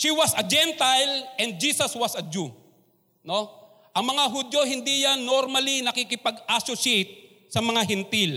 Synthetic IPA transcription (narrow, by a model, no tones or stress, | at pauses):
ʃiwɐsɐd͡ʒɛnt̪ajlʔɛnd̪̚d͡ʒiːsɐswɐsɐd͡ʒu | no̞ | ʔɐŋmɐŋaɦʊd̪jo̞ɦɪnd̪ijanːoɾmɐlinɐkikɪpɐɡasosejt̪̚ | sɐmɐŋaɦɛnt̪ɪl